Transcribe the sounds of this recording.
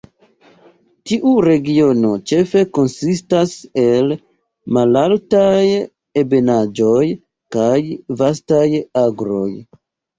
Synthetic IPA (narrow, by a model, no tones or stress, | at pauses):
tiʔuɾe̞ɡio̞no̞t͡ʃe̞fe̞ko̞nsistase̞l | malaltaj | e̞be̞nad͡ʒo̞j | kajvas̬tajaɡɾo̞̰j